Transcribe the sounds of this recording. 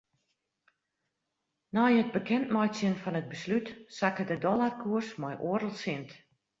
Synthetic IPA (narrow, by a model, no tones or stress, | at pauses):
najəd̚bəkʰɛntmɔjsjənfɔnəd̚bəslytsakədədɔlarkʰuərsmɔjʔoəɾəlˠsɪnt